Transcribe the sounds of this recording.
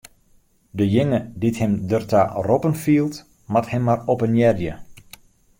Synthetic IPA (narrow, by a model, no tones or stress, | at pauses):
dəjɪŋədithɛmdərta̰rɔpənfiːlˠt | mathɛmːarɔpənjɛrjə